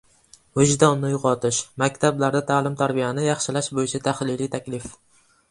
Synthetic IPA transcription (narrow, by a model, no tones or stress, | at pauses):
hʊd͡ʒd̪ɒnnɪjʊqɒt̪ɪʃmakʲt̪ʰablaɾd̪at̪ʰaːlɪmt̪ʰaɾbɪjanɪjɑχʃɪlaʃbojɪt͡ʃʰat̪ʰahlɪlit̪ʰakʲlɪf